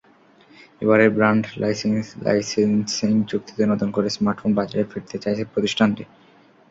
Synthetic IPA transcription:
ebaɾeɾbɾaɳɖlajsensla̰jsenseŋd͡ʑuk̚t̪i̥t̪onɔt̪onkoɾesmaɾʈfonbad͡ʑaɾefeɾt̪et͡ɕajt͡ɕʰepɾot̪iʃʈʰanʈi

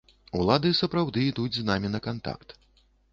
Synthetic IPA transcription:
ulˠad̪ɨsɐpɾawd̪ɨːd̪ud͡zʲznamʲinɐkant̪a̰kt̪

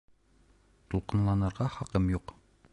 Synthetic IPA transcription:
t̪ulˠqɤ̆nlˠɑnɤ̆ɾʁɑχɑqɤmjuq

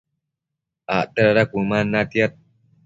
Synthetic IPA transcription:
aʔt̪aɾaɾakʷumanat̪jat̪̚

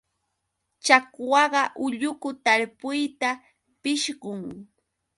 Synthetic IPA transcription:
t͡ʃakwɑɢɑʔʊʎʊkʊt̪aɾpʊjt̪a | pɪʃɢʊŋ

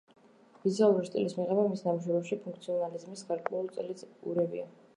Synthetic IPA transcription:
bizialˠuɾist̪ʼḭlismiʁɛbamisd̪amuʃ̬wɛbɛpʃipʰũŋkʰt̪sʰiɔnalizmisɡaɾkʼwɛulˠt̪sʼɛliuɾɛbḭa

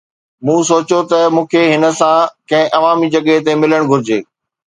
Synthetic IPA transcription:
mũːsoːt͡ɕot̪ɐmũːkʰeɦɪnə̆sãkɐ̃ɦɪ̃ʔɐʋaːmid͡ʑɐɠəɦt̪emɪləɽ̃ɡʱʊɾɪd͡ʑeː

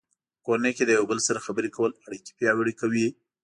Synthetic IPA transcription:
koneked̪əjwbəlsaɾaxabəɾekawəlaɽiki̥pjɑwəɽikawi

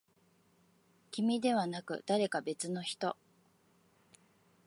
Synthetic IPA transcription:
kʲimʲid̪e̞β̞anakɯ̟̰d̪̥aɾe̞kabe̞t͡sɨno̞çi̥t̪o̞

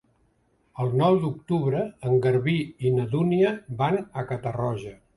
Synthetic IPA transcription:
əlˠnɔwd̪uk̚t̪uβɾəəŋɡəɾβiinəðuniəbanəkət̪ərɔʒə

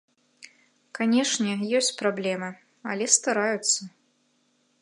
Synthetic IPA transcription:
kanʲɛʂnʲɛjɔsʲt͡sʲpɾablʲɛmɨ | a̰lʲɛst̪aɾajut̪sːɐ

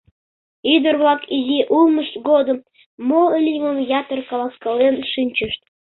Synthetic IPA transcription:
id̪ərβlɑkizʲiʔulˠməʃt̪ɡod̪ə̆m | moəlʲiməmjɑt̪ərkɑlɑskɑlenʃɨnʲt͡ɕəʃt̪̚

